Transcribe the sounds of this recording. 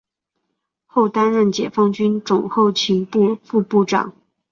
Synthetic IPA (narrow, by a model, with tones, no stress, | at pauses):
xo˥˩ʊt̪a˥nɻə˥˩nt͡ɕjɛ˨˩fɑ˥˧ŋt͡ɕy˥nʈ͡ʂʊ˨˩ŋxo˥˩ʊt͡ɕʰi˧˥ŋpu˥˧fu˥˧pu˥˩ʈ͡ʂɑ̰˨˩˦ŋ